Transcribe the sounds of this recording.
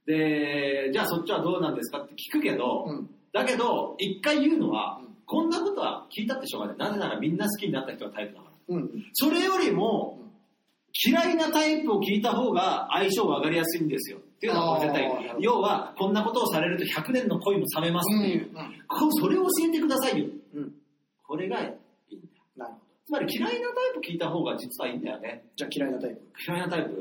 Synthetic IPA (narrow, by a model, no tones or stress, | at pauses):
d̪e̞d͡ʑaːso̞t͡ɕːiβad̪o̞ːnãnd̪e̞s̬ɨ̥kat̪ːe̞̥kʲi̥kɯ̟ke̞d̪o̞ | d̪ake̞d̪o̞ikːaijɯ̟ːno̞̰βa̰kõ̞nːako̞t̪o̞βa̰kʲiːt̪at̪ːeɕoːka̰nḛnaze̞naɾa̰mʲĩnːasɨ̥kʲiɲ̟inat̪ːaçit̪o̞ɡat̪aipɯ̟na̰ka̰aso̞ɾe̞jo̞ɾʲimo̞ | kʲʰiɾainat̪aipɯo̞kʲiːt̪aɦo̞ːɡaːiɕoːβakaɾʲijasɨĩnd̪e̞sɨjo̞̰t̪ːe̞iɯ̟nozet̪aijo̞ːβakõ̞nːako̞t̪o̞ːsaɾe̞ɾɯ̟t̪o̞çakɯ̟nẽ̞nːo̞ko̞imo̞same̞masɨ̥t̪ːejɯ̰kʰoso̞ɾe̞o̞ɕĩnd̪e̞kɯ̟d̪asaijo | kʰo̞ɾe̞ɡa | ḭːnd̪ajon | t͡sɨmaɾʲikʲiɾainat̪aipɯ̥kʲiːt̪aɦo̞ːɡad͡ʑit͡sɨβaĩːnd̪a̰jo̞̰ne̞d͡ʑakʲiɾainat̪aipɯkʲʰiɾainat̪aipɯ